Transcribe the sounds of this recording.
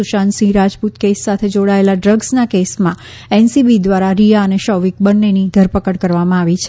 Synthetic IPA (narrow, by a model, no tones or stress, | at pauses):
uʃansiɾad͡ʒput̪kesːat̪ʰed͡ʒoɽaelaɖɾəɡsnakesmã | ɛnsibid̪ʋaɾaɾijaəneʃɔʋik̚bənːenid̪ʱəɾpəkəɽkəɾʋamãaʋit͡ʃʰ